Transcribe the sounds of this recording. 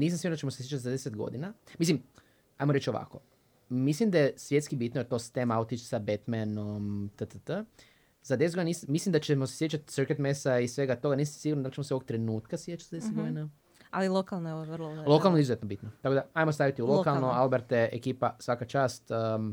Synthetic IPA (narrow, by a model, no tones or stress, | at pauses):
niːs̬amsiɡuɾnat͡ʃeosesjet͡ʃat̪izad̪eset̪ɡo̞̰d̪inamislim | ajmoɾet͡ʃoʋa̰ko̞ | mislimd̪ajesʋje̞t̪skibit̪nojet̪o̞st̪emaut̪it͡ʃsabet̪menomt̪ət̪ət̪ə | zad̪eset̪ɡd̪inismislimd̪at͡ʃemosesjet͡ʃat̪səɾket̪mesaisʋe̞ɡat̪o̞ɡaniːs̬amsiɡuɾnd̪alit͡ʃemoseook̚t̪ɾe̞nuːt̪kasjet͡ʃat̪zad̪esed̪ɡod̪ina | alilˠokalˠnoeooʋrlˠolˠo̞kalnoizuzet̪nobit̪not̪akod̪aajmost̪aʋit̪iulokalˠnoalbeɾt̪eekiːpasʋakat͡ʃaːst̪ː